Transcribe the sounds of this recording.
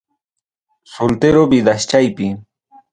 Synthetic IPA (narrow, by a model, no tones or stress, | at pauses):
solt̪eɾobɪd̪aʃt͡ʃajpɪ